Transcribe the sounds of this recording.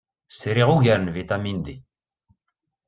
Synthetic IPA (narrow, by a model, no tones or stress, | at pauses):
seɾeʁuɡɛɾnvet̪amind̪e